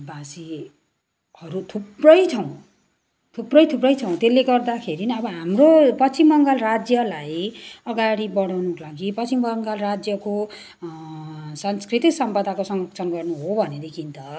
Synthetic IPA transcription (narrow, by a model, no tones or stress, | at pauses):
basi | hʌɾut̪ʰuprʌjt͡sʰʌw̃ | t̪ʰuprʌjt̪ʰuprʌjt͡sʰʌw̃t̪elːeɡʌrd̪akʰeɾinʌbʌɦamropʌt͡simːʌŋɡʌlrad͡zjʌlajʌɡaɽibʌɽawnukolaɡipʌt͡simːʌŋɡʌlrad͡zjʌko | sʌnskrit̪iksʌmpʌd̪ʱakosʌŋɡʌk̚t͡sʰʌnɡʌrnuɦobʱʌned̪ekʰint̪ʌ